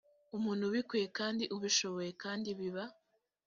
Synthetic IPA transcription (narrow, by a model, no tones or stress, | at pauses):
umuːn̥huβikuje̞kaːndiʔuβiʃo̞βo̞je̞kaːndiβiβa